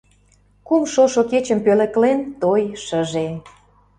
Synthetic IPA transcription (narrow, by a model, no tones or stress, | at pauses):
kumʃoʃoket͡ɕə̆mpølə̆klent̪ojʃəʒe